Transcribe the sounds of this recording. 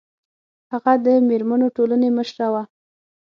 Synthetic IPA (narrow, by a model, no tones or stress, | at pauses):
haɣad̪əmeɾmanoʈolaneməʃɾawa